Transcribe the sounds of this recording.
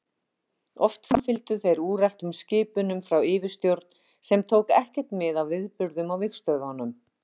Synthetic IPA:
ɔ̰ft̪famfɪlt̪ʏθejɾuːrɛl̥t̪ʏmscɪːpʏnʏmfɾawɪːvɪst̪jowɾt̪n | sɛmt̪ʰowkɛhcɛr̥t̪mɪðawvɪðpʏɾðʏmawvɪxst̪œðhɔnːʏm

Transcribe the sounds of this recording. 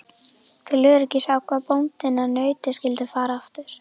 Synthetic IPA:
θɪlʏɣɾɛcɪsaːwkʰvaːðpownt̪ɪnanœːɥt̪ɪscɪlt̪ɪfaːɾaaft̪ʏɾ̥

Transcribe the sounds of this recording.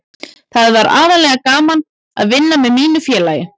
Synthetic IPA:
θaðvaɾa̰ːðalɛːɣakaːman | a̰ðvɪnːamɛðmiːnʏfjɛːlajɪ

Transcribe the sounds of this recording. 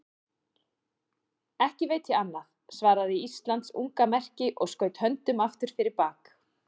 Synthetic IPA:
ɛhcɪveːjt̪ʰɪanːaθ | svaːɾaðɪiist̪lant̪sṵŋkamɛr̥cɪʔɔɣskœːɥt̪hœnt̪ʏmaft̪ʏɾ̥fɪɾɪɾpaːk

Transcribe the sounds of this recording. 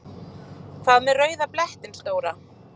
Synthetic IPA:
kʰvaːðmɛðrœːɥðaplɛht̪ɪnst̪oːwɾa

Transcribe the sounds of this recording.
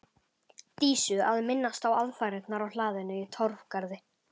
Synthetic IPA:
t̪iːsʏaðmɪnːast̪awaðfajɾɪt̪naɾawlaːðɪnʏit̪ʰɔɾ̥v̥kaɾðɪ

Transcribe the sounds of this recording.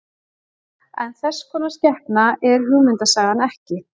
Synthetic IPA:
ɛ̰nθɛsːkʰɔːnascɛhpnaɛɾ̥ɦʏmʏnt̪asaːɣðanɛhcɪ

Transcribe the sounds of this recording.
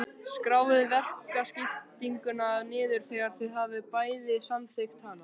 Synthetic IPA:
skɾaːwðɪvɛr̥kascɪft̪iŋkʏnaðnɪːðʏɾ̥θɛːɣaɾ̥θɪðɦaːvɪpaːjðɪsanθejxt̪hana

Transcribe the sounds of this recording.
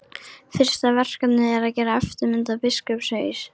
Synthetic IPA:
fɪr̥st̪avɛr̥kat̪nɪɛɾaðcɛːɾaɛft̪ʏɾmɪnt̪apɪskœpseːjs

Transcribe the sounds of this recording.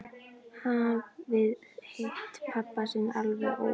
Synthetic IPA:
havvɪðhejht̪pʰapːasɪnalvaʔo

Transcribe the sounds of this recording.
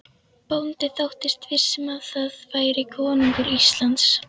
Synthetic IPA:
pownt̪ɪθawht̪ɪst̪vɪr̥sɛmaðθaðvaːjɾɪkʰɔːniŋkʏɾist̪lant̪s

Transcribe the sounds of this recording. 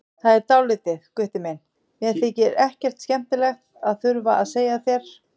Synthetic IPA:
θaðɛɾt̪awlɪːt̪ɪðkʏht̪ɪmɛn | mjɛɾθɪcɪɾɛhcɛr̥t̪scɛm̥t̪ɪlɛxt̪aðθʏɾvaaðseːjaθjɛɾ̥

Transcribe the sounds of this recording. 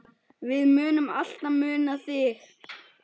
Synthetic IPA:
vɪðmʏːnʏma̰l̥t̪amʏːnaθɪɾ

